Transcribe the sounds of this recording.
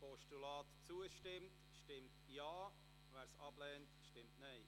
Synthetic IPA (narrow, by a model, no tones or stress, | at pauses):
pɔʃtulɑːtt͡suəʃtɪmt | ʃtɪmtjɑː | ʋæːɾsɑb̥lɛːntʃtɪmtnɛɪ